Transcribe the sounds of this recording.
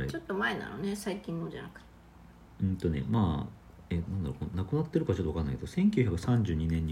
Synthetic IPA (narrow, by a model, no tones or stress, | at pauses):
t͡ɕo̞t̪ːo̞maena̰no̰ne̞saikʲĩnːod͡ʑa̰nakɯ̟t̪e̥ | ɯ̃nt̪o̞ne̞̰maː | etnãnd̪aɾokonakɯ̟nat̪ːe̞ɾɯkaβt͡ɕot̪oakanːaikeosẽ̞ŋkʲiɨ̟çakɯ̟sãɲ̟d͡ʑɨːɲ̟inẽɲ̟ː